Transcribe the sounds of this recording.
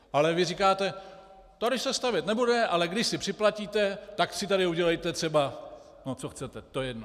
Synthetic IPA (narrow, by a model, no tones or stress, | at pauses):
ʔalɛvɪrikaːt̪ɛ | t̪odɪsɛst̪avjɛt̪nɛbudɛʔalɛɡdɪʃsɪpr̥ɪplaciːt̪ɛt̪aksɪt̪aɾɪuɟɛlɛjt̪ɛt̪r̥ɛba | not͡soxt͡sɛt̪ɛt̪ojɛjɛdno